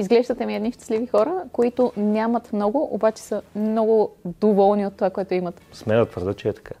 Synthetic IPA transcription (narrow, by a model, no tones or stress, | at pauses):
izɡlɛʒd̪ət̪ɛmiɛd̪niʃt̪ə̥slivixɔɾəkoit̪ʊnʲjamɐt̪mnɔɡʊʔobat͡ʃɛ̥səmnɔɡʊd̪ovɔlˠniot̪ːovakoɛt̪ʊimət̪smɛnət̪vəɾd̪ət͡ʃɛɛt̪ɐ̥kʰa